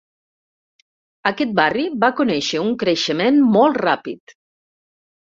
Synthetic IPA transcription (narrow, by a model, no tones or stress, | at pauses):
akɛt̪̚bariβakunɛʃəuŋkɾeʃəmenmɔlˠt̪rapit̪